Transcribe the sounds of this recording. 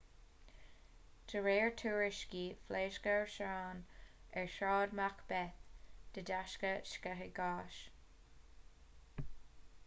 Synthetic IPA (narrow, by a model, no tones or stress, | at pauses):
dʰəɹeːɹtʰuːɹɪʃkifleːʃkəɹʃɑːnɛɹʃɑːdmakb̥ɛθd̪̥ədaʃkəʃkɛɦɪɡɑːʃ